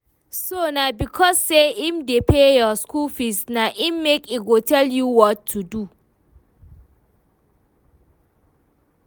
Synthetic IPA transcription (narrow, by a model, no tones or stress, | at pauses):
sonabikʰɔsːeimdepʰejɔskulfisnaʔĩmːekiɡotʰɛljuwɔtʰːudu